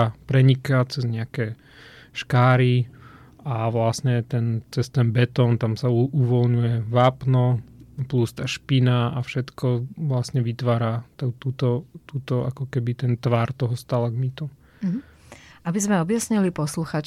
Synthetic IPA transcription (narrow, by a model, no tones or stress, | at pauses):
pɾɛɲikat͡sɛzɲɛakɛ | ʃkaːɾi | aʋlasɲɛt̪ɛnt͡sɛst̪ɛnbɛt̪ɔnt̪amsauuʋɔlɲujɛʋaːpnɔplust̪aːʃpinaafʃɛt̪kɔʋlasɲɛʋit̪ʋaːɾat̪ɛt̪ut̪ɔt̪ut̪ɔa̰kɔkɛbit̪ɛnt̪ʋaɾt̪ɔɦɔst̪alaɡmit̪u | abizmɛɔbjasɲilipɔsluxaːt͡ʃ